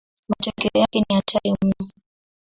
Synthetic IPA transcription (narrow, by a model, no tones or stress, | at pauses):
matɔkɛɔjakɛniatʰaɾim̩nɔ